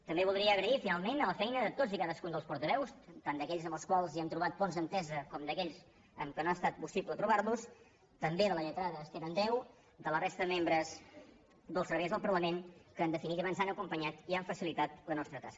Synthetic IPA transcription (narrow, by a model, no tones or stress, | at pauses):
t̪əmbeβulˠd̪ɾiəːɣɾəifinalˠmenələfɛjnəðət̪ozikaðəskund̪əlˠspuɾt̪əβɛwst̪and̪əkɛʎzəmbəlˠskwalˠziɛmt̪ɾuβat̪̚ponzðənt̪ɛzəkɔmd̪əkɛʎs | ə̰mkənoast̪at̪̚pusiblət̪ɾuβaɾlus | t̪əmbeðələʎət̪ɾaðəːst̪eɾənd̪ɛw | d̪ələrest̪əðəmembɾəz | d̪əlˠsəɾβejzðəlˠpəɾləmenkəːnd̪əfinit̪iβanzanəkumpəɲat̪iaɱfəsilit̪at̪lənɔst̪ɾət̪askə